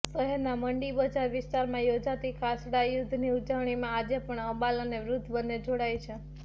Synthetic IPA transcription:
səɦeɾnaməɳɖibəd͡ʒaɾʋɪst̪aɾmãjod͡ʒat̪ikʰasɽajʊd̪ʱːniud͡ʒəʋɳ̃imãːd͡ʒepəɳəbaləneʋɾʊd̪ʱbənːed͡ʒoɽajt͡ʃʰe

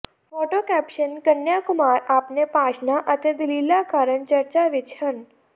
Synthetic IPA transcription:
foʈokæpʃənkənjakʊmaɾapnepaʃnaʔət̪ʰed̪ililakaːɾəɳt͡ʃəɾt͡ʃaʋɪt͡ʃʰən

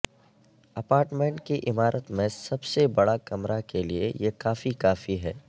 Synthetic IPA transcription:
ɐpaːɾʈmẽɳʈkiʔɪmaːɾʔət̪mẽsɐbsebɐɽakɐmɾakeliejekaːfikaːfiɦɛː

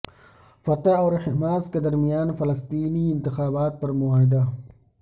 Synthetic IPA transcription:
fɐt̪aɔːɾhɪmaːsked̪ɐɾmijaːnfɐlɐst̪iːniɪnt̪ɪxaːbaːt̪̚pɐɾmʊaːɦɪd̪a

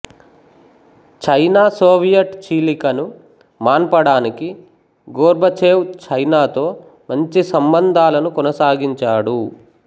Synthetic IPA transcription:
t͡ʃɐjnaːsoːʋijɐʈt͡ʃiːlikɐnu | maːnpɐɽaːniki | ɡoːɾbʱɐt͡ʃeːwt͡ʃɐjnaːt̪o̞ː | mɐɲt͡ʃisɐmbɐnd̪ʱaːlɐnukɔnɐsaːɡiɲt͡ʃaːɽu

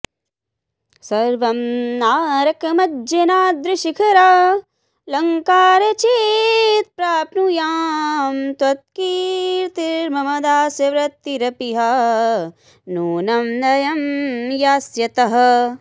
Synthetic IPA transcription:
sɐɾʋɐmnaːɾɐkɐmɐd͡ʒɐnaːd̪ɾɪʃikʰɐɾaː | lɐŋkaːɾɐt͡ʃit̪̚pɾaːpnujaːmt̪ɐt̪̚kiːɾt̪iɾɾmɐmɐd̪aːsjɐʋɾɐt̪ːiɾɐpiɦɐ | nuːnɐmnɐjɐmjaːsjɐt̪ɐɦɐ

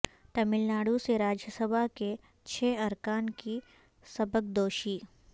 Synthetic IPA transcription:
ʈ̪ɐmɪlnaːɽuseɾaːd͡ʒjəsəbʱake | t͡ʃʰɛːɐɾkaːnki | sɐbək̚d̪oːʃiː

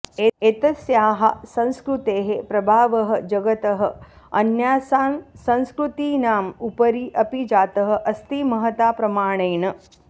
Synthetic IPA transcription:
eeːt̪ɐsjaːɦɐ̰sɐ̃nskɾut̪eːɦepɾɐbʱaːʋɐɦɐ̆d͡ʒɐɡɐt̪ɐɦɐ̆ | ɐnjaːssɐ̃nskɾut̪iːnaːmupɐɾiʔɐpid͡ʒaːt̪ɐɦɐ̆ʔɐst̪imɐɦɐt̪aːpɾɐmaːɳ̃ɐːɳɐ

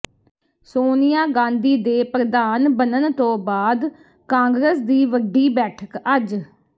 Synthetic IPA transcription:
soːnɪjaːɡãːnd̪iːd̪eːpɾəd̪aːnbənənt̪õːbaːd̪ | kãːŋɡɾəsd̪iːʋəɖːiːbɛːʈʰəkəd͡ʒ

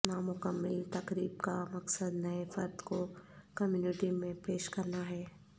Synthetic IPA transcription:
naːmʊkəmːɪlt̪ɐkɾiːb̚kamɐksəd̪nɐefɐɾd̪kokɐmjuːnɪʈimẽpeːʃkɐɾnaɦɛː

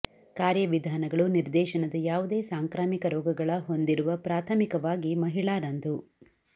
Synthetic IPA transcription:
kaːɾjɐʋid̪ʱaːnɐɡɐɭuniɾd̪ɛːʃɐnɐd̪ɐjaːʋud̪e̞ːsaːŋkɾaːmikɐɾɔːɡɐɡɐɭɐɦo̞nd̪iɾuʋɐpɾaːt̪ʰɐmikɐʋaːɡimɐɦiɭaːɾɐnd̪u

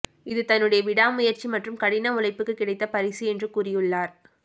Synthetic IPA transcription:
ɪðɯt̪ɐnːɯɽɐjɐʋɪɽaːmʊjɐɾt͡ʃimɐʈrɯmkɐɽɪnɐʊlɐɪpːɯkːɯkːɪɽɐɪt̪ːɐpɐɾɪsiɛndrɯkuːrɪjɯɭːaːɾ

